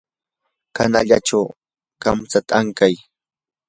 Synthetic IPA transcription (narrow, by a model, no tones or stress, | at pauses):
kanaʎaʈ͡ʂaw | kamt͡sat̪aaŋkaj